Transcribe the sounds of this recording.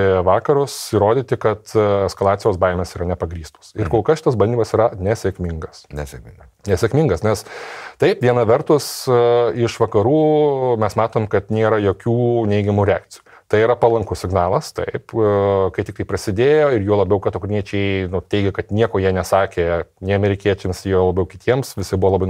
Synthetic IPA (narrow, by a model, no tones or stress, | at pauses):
ʋɑːkɐɾʊsɪɾoːd̪ʲiːt̪ʲɪkɐt̪ɛskɐlˠɑːt̪t͡sʲɪjoːsbɐɪmʲeːsiːɾɐnʲɛpɐɡɾʲiːst̪o̥ːsɪɾrkoːlˠkɐsʃʲɪt̪ɐsbɐlʲd̪ʲiːmɐsiːɾɐnʲɛsʲɛkmʲɪŋɡɐsnʲɛsʲɛŋ | nʲɛsʲɛkmʲɪŋɡɐsnʲɛst̪ɐɪpʋʲiɛnɐʋʲɛrt̪ʊsɪʃʋɐkɐɾuːmʲɛsmɑːt̪oːmkɐt̪nʲeːɾɐjoːkʲuːnʲɛɪɡʲɛmuɾʲɛaːk̚t̪sʲɪju | t̪ɐɪiɾɐpɐlˠɐŋkʊsʲɪɡnɑːlˠɐst̪ɐ̰ɪpkɐɪtʲɪk̚t̪ɐɪpɾɐsʲɪd̪ʲeːjoːɪɾjuɔlˠɐbʲɛʊkɐt̪okʊɾʲnʲiɛt͡ʃʲɛɪnʊt̪ʲɛɪɡʲɛkɐt̪nʲiɛkoːjiɛnʲɛsɑːkʲeːnʲeɪɐmʲɛɾʲɪkʲiɛt͡ʃʲɛmsjiɛlˠɐbʲɛʊkʲɪt̪ʲiɛmsʋʲɪsʲɪbʊʋoːlˠɐbɐɪ